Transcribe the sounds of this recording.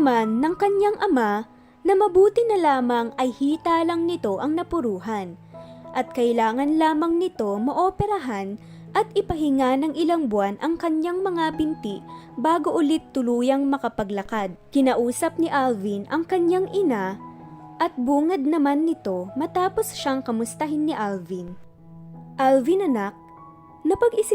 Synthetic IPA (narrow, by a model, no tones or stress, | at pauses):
manːɐŋkɐɲjaŋʔɐma | nɐmɐbuːt̪ɪnɐlaːmɐŋɐjhiːt̪aːlɐŋnɪt̪o̞ʔɐŋnɐpʊɾuːɦɐnʔɐt̪̚kɐʔɪlaːŋɐnlaːmɐŋnɪt̪o̞mɐʔopɛɾɐɦan | ʔɐt̪̚ʔɪpɐɦɪŋanɐŋʔɪlaŋbwanʔɐŋkɐɲjaŋmɐŋabɪnt̪iʔ | baːɡo̞ʔʊlɪt̪ːʊluːjɐŋmɐkɐpɐɡlɐkad̪̚kɪnaːʔuːsɐp̚nɪʔalvinʔɐŋkɐɲjaŋʔɪna | ʔɐt̪̚buːŋɐd̪̚nɐmanːɪt̪o̞mɐt̪aːpo̞sʃaŋkɐmʊst̪ɐɦɪnːɪʔalvin | ʔalvinɐnak̚ | nɐpɐɡɪs